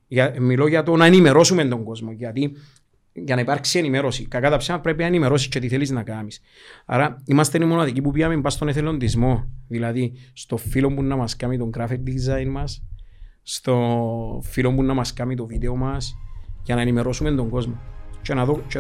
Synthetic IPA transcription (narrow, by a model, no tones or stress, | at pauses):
ʝamːilo̞ʝɐt̪o̞naenime̞ɾo̞sume̞nd̪o̞ŋɡo̞zmo̞ʝɐt̪i | ʝɐnaipaɾksie̞nime̞ɾo̞sikakat̪apsemapɾe̞p̬inaenime̞ɾo̞s̬ist͡ʃe̞t̪iθeliznakamis | a̰ɾɐimɐst̪enimo̞naðikipupiamembast̪o̞neθelo̞nd̪izmo̞ðilɐðist̪o̞ffilo̞mbunːɐmɐskamit̪o̞ŋɡɾafik̚d̪izajnmɐs | st̪o̞filo̞mbunːɐmɐskamit̪̬o̞vid̪e̞o̞mɐsʝɐnaenime̞ɾo̞sume̞nd̪o̞ŋɡo̞zmo̞t͡ʃenaðot͡ʃe